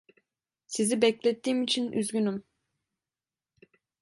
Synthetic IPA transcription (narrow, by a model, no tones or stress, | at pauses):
sizibɛclʲɛt̪ʰːiːmit͡ʃʰinʔy̰zɡynym